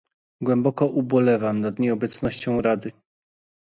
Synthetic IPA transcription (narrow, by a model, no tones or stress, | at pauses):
ɡwɛmbɔkɔʔubɔlɛvamnad̪ɲɛɔbɛt̪snɔɕt͡ɕɔ̃w̃ɾad̪ɘ